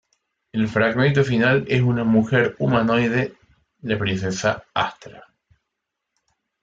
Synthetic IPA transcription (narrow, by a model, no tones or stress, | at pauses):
elfɾaɣmẽ̞nt̪ofinalesunamuxe̞ɾumãnojðe | ðepɾinθesaaht̪ɾa